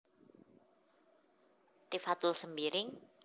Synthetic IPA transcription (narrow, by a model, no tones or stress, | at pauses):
t̪ifat̪ʊlsəmbiɾɪŋ